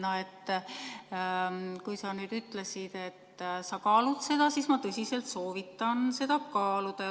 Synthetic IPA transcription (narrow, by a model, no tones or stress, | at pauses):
noe̞t̪ː | kujsɑnyːd̪̥yt̪lesid̪̥e̞t̪ːsɑkɑːlut̪se̞d̪ɑsiːsmɑt̪ɤsʲise̞lt̪so̞ːvit̪ːˑɑnse̞d̪̥ɑkɑːlud̪̥ɑ